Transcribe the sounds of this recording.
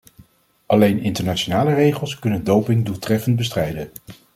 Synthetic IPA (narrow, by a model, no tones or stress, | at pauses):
ʔɑlejnɪntəɹnat͡ʃonaːlərejχəlˠskɵnəndowpɪŋdulˠtrɛfənt̚bəstrɛjdən